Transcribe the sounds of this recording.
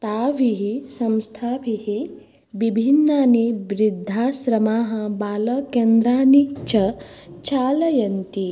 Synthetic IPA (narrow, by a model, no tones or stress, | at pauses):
t̪aːʋiɦisɐ̃mst̪ʰaːbihi | ʋibʱinːaːnibɾid̪ʱːaːʃɾɐmaːɦɐbaːlɐkend̪ɾaːnit͡ʃɐ | t͡ʃaːlɐjɐnt̪i